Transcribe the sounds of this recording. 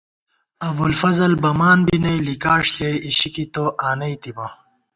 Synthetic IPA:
ɐbulfɐzɐlbɐmaːnbinɐjlikaːʂkɐjiɕikit̪oːʔaːnɐit̪imɐ

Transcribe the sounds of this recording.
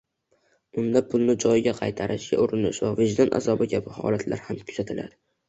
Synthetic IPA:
ʊnd̪apʰʊlˠnɪd͡ʒɒjɪɡʲaqʰɑjt̪ʰaɾʔɪʃɡʲa̰ʊɾɪnɪʃvavɪd͡ʒd̪anʔa̰zɒbɪkʲabɪhɒ̰lat̪ʰla̰ɾhamkʰʊ̥z̥at̪ʰɪlʔa̰d̪ɪ

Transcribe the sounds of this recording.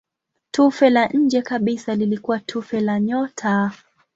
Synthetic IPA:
tufɛlaɲ̩d͡ʒɛkaɓisalilikuwatʰufɛlaɲɔtʰa

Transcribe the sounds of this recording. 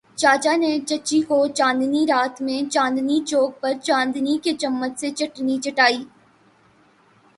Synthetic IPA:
t͡ʃaːt͡ʃanet͡ʃɐːt͡ʃːikot͡ʃãːnd̪niɾaːt̪mẽt͡ʃãːnd̪nit͡ʃoːɡ̚pɐɾt͡ʃãːnd̪niket͡ʃɐmːət̪set͡ʃɐʈnit͡ʃɐʈaːiː

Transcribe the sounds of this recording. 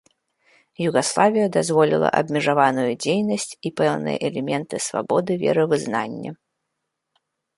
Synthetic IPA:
juɣaslˠavʲijɐd̪azvɔlʲilˠɐ̰ʔɐ̰bʲmʲɛʐavanujud͡zʲejnɐsʲt͡sʲipɛwnɨ̰jɛ̰ʔɛlʲɛmʲɛnt̪ɨsva̰bɔd̪ɨvʲɛ̰ɾɨvɨznanʲːɐ̰

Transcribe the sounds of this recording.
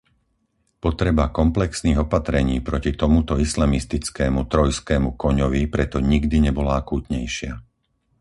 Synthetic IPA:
pɔt̪ɾɛbakɔmplɛksniːɣɔpat̪ɾɛɲiːpɾɔcit̪ɔmut̪ɔislamist̪it͡skɛːmut̪ɾɔjskɛːmukɔɲɔʋipɾɛt̪ɔɲiɡd̪iɲɛbɔlaakuːt̪ɲɛjʃɪa

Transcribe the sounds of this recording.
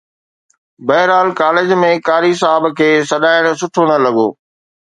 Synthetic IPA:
bɐɦɪɾaːlkaːlɪd͡ʑmẽkaːɾisaːɪbkʰeːsɐɗaːɪɽ̃̆sʊʈʰoñɐlɐɠo̰ː

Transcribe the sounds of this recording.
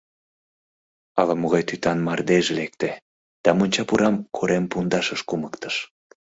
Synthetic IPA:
ɑlɑmoɣɑjt̪yt̪ɑnmɑrd̪eʒelek̚t̪e | d̪̥ɑmonʲt͡ɕɑpuɾɑmkʰoɾempund̪ɑʃəʃkuməkt̪ə̥ʃ

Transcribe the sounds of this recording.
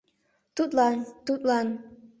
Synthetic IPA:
t̪ut̪lɑnt̪ut̪lɑn

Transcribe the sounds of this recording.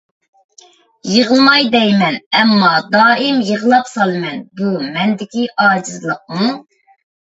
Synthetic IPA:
jəʁəlˠmɑjd̪ɛjmɛnɛmːɑd̪ɑːimjəʁəlˠɑpsɑlˠɨmɛnbumɛnd̪ɪkʲiʔɑːd͡ʒizlˠəq̚mu

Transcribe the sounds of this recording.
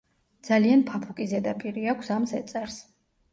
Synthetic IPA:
d̪z̥alianpʰapʰukʼizɛd̪apʼiɾiakʷʰsamzɛt̪sʼɛɾs

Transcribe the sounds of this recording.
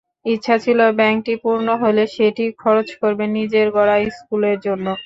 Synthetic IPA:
itːɕʰat͡ɕʰilobɛŋk̚ʈipuɾnoɦoleʃeʈikʰɔɾot͡ɕkoɾbenid͡ʑeɾɡɔɽajskuleɾd͡ʑonːo

